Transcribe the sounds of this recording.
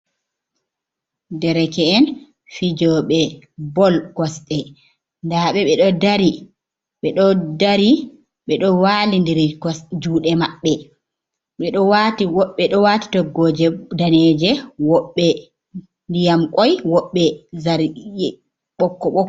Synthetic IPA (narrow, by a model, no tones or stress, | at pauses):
dɛɾɛkɛːn | fid͡ʒɔɓɛ | bɔlkɔsɗɛ | ndaɓɛɓɛɗɔdaɾi | ɓɛɗɔdaɾi | ɓɛɗɔwaːlindiɾd͡ʒuːɗɛmaɓːɛ | ɓɛɗɔwatiwɔɓɛɗɔwati̥tɔɡɔd͡ʒɛdanɛːd͡ʒɛwɔɓːɛ | ndijamkʼɔjwɔɓːɛzaɾɛ | ɓɔkːɔɓɔ